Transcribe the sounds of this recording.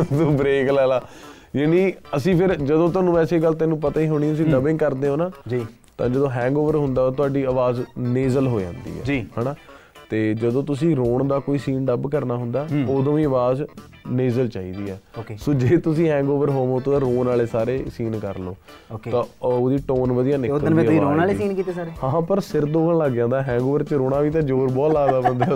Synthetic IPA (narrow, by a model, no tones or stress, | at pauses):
t̪ubɾeːklɛːlaː | jaːniːəsĩːpʰɪɾd͡ʒəd̪õːt̪ʊaːnũːɛːseːɡəlt̪ɛ̃ːnũːpət̪aːiːɦoɽ̃ĩːəs̬ĩːd̪əbɪ̃ŋɡkəɾd̪eːɦõːnaːd͡ʒiː | t̪ãːd͡ʒəd̪õːɦɛ̃ːŋɡoːʋəɾɦʊ̃nd̪aːoːt̪ʊaːɖiːəʋaːzneːzəlɦoːd͡ʒã̰ːnd̪ḭːɛ̰ːd͡ʒiːhɛːnaː | t̪eːd͡ʒəd̪õːt̪̬ʊsĩːɾoːɳd̪aːkoːiːsiːnɖəbkəɾnaːɦʊnd̪aːoːd̪õːʋĩːəʋaːz | neːzəlt͡ʃaːiːd̪iːɛːokesoːd͡ʒeːt̪ʊsĩːɦɛ̃ːŋɡoːʋəɾɦoːʋõːt̪oãɾoːnaːleːsaːɾeːsiːnkəɾloːoːt̪ãːoːd̪iːʈoːnʋəd̪ijãːnɪodəɾoːaːlesiːnkiːt̪eːsaːɾeːhãːpəɾsɪɾd̪oːɡəɳləɡd͡ʒãːnd̪aːɦɛ̃ːŋɡoːʋəɾt͡ʃəɾoːɽaːʋiːt̪̬ãːd͡ʒoːɾbɔːtlaːd̪aːbənd̪aː